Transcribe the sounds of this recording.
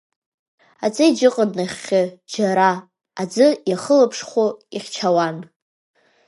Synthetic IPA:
ad͡zɨid͡ʒɨqʼənnaχʲːɪd͡ʒaɾaː | d͡zɨjaχəlapʰʂχʷoiχʲt͡ʃʰawan

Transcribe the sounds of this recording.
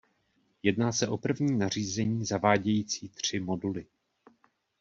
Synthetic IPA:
jɛdnaːsɛʔo̞pr̩vɲiːnar̝iːzɛɲiːzavaːɟɛjiːt͡siːt̪r̝̥ɪmo̞dulɪ

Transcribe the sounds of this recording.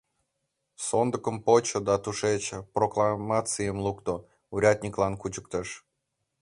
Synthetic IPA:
sond̪əkəmpot͡ɕod̪ɑt̪uʃet͡ɕproklˠɑmɑt͡sɨjəmlˠukt̪o | uɾʲat̪̚ʲnʲiklɑnkut͡ɕək̚t̪əʃ

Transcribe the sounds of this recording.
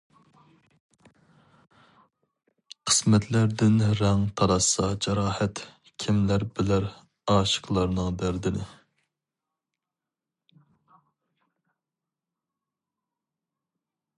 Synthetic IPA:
qʰə̥smɛt̪ʰlæɾd̪ɪnɾɛŋt̪ʰɑɾɑsɑd͡ʒɑɾɑːhɛt̪ | kʲʰimlæɾbɪlæɾ | ɑːʃə̥qlˠɑɾnɨŋd̪æɾd̪ɪnɪ

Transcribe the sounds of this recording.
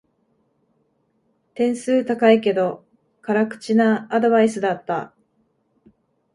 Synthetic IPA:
t̪ẽ̞ɰ̃sɨːt̪akaike̞d̪o̞ | kaɾakɯ̟̥t͡ɕinaːd̪o̞βaisɨd̪at̪ːa

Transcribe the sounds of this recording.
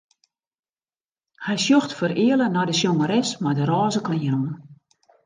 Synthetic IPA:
hɛjsjoxtfərɪːələnɔjdəsjoŋəɾɛsmardəɾɔːzəkɔnjənɔːn

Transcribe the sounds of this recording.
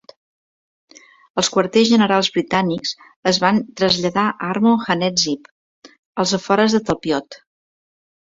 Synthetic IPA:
əlˠskwərt̪ezʒənəɾalˠzβɾit̪aniks | əzβant̪ɾəzʎəðaʔɾmoxənɛzip | əlˠzəfɔɾəzðət̪əlˠpjɔt̪

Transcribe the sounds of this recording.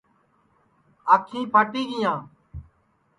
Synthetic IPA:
aːkʰĩːpaːʈiːɡɪjãː

